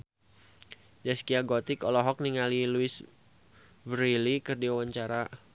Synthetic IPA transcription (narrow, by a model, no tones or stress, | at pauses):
d͡ʒaskiaɡɔt̪ɪkɔlɔɦɔk̚niŋaliluɪs | vərilikɨrdiwawaɲt͡ʃaɾa